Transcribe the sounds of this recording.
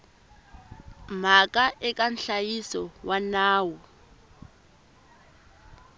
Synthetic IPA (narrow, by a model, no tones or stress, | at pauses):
m̤akʼaʔɛkʼanɬajisɔwanaːwɔ